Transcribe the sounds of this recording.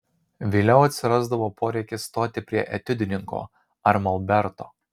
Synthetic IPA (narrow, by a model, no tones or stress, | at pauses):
ʋʲiːlʲɛʊɐt̪ʲsʲɪɾɑzd̪ɐʋoːpʰoːɾʲɛɪkʲɪsːt̪oːt̪ʲɪpʲɾʲiɛʔɛt̪ʲɪd̪ʲɪnʲɪŋko̰ː | ɐɾmɐlˠbʲɛɾt̪o̰ː